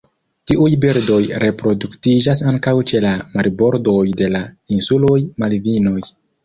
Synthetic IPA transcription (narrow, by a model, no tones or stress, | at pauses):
tiʔujbiɾdo̞jɾʔe̞pɾo̞duktid͡ʒasaŋkawt͡ʃe̞lamaɾibo̞ɾdo̞jde̞lainsulo̞jmalvino̞j